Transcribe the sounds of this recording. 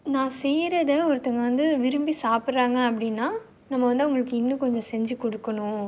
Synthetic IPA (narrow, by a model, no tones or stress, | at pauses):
nãːsɛjɾɐðɐɔɾɯt̪ːɐŋɡɐʋɐnd̪ɯʋɪɾɯmbisaːpɪɾɾaːŋɡɐɐpːɐɽɪnːaː | nɐmːɐʋɐnd̪ɯʊŋɡɐɭɯkːɯɪnːɯ̃kɔɲd͡ʒɔ̃sɛɲd͡ʒɯkɔɽɯkːɐɳʊ̃